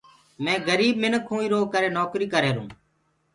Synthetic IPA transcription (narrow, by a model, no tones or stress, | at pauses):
mẽːɡəɾiːbmɪnəkʰɦũːiːɾoːɡkəɾeːnɔːkɾiːkəɾeːɾṵ̃ː